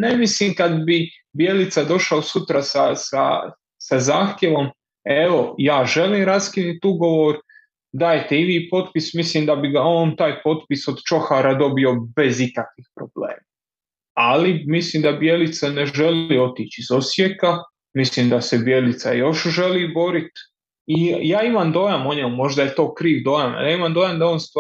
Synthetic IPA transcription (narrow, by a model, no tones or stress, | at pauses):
nemislimkad̪bi | bjelit̪sad̪o̞ʃaosut̪ɾasasa̰ | sazaːxt̪je̞ʋo̞m | e̞ʋo̞jaːʒe̞liːmɾaskinit̪uɡo̞ʋoɾ | d̪aːjt̪eiʋiːpo̞t̪pismislimd̪abiɡaoːnt̪aːjpo̞t̪pisod̪t͡ʃo̞xaɾad̪o̞bio̞be̞zikakʋixpɾo̞blḛːma | alimislimd̪abje̞lit̪saneʒe̞lio̞t̪it͡ʃizo̞sjeka | mislimd̪asebje̞lit̪sajo̞ʃʒe̞libo̞ɾit̪ | ijaːimamd̪o̞ːjamo̞ɲemmo̞ʒd̪ajet̪o̞ːkɾiːʋd̪o̞ːjana̰ljaːimamd̪ojamd̪aoːnst̪